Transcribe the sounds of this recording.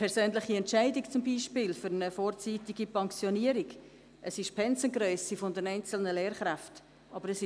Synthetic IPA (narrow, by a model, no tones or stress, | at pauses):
pʰɛɾsøːnlɪχiɛntt͡ʃæɪdikt͡sʊmbiːʃpɪːlfʏɾənəfoːɾt͡siːtiɡipɑŋksjoniəɾiɡ | ʔəsɪʃpʰɛnsənɡɾœʏsifʊndɛnæɪnt͡sl̩nəleːɾχɾæft | ʔɑbəɾəsɪ